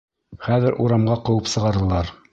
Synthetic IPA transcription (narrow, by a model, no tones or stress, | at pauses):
χæðɘɾʔuɾɑmʁɑqɤ̆wɤpsɤ̆ʁɑɾɤ̆lˠɑɾ